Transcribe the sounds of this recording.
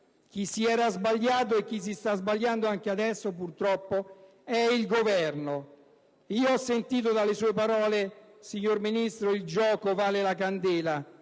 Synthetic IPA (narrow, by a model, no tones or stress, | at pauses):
k̟isiɛːɾazbaʎːaːt̪̬oek̟ːis̬ist̪azbaʎjand̪oaŋk̟ead̪ɛsːopurt̪ɾɔpːo | ɛilɡovɛrno | iːoɔsːent̪iːt̪̬od̪alesuːepaɾɔːlesiɲːorminist̪ɾoild͡ʒɔːkovaːlelak̬and̪ɛːla